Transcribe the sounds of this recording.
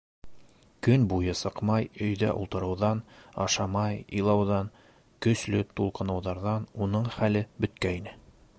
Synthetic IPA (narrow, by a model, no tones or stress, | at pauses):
kɵnbujɤsɤ̆qmɑjɵ̆jðæ̰ʔṵlˠt̪ɤ̆ɾɤ̆wðɑnɑ̰ʃɑmɑjɤ̰̆jlˠɑwðɑn | kɵ̆slɵt̪ulˠqɤ̆nɤ̆wðɑɾðɑnunɤɴχælɘbɵ̆t̪kæinɘ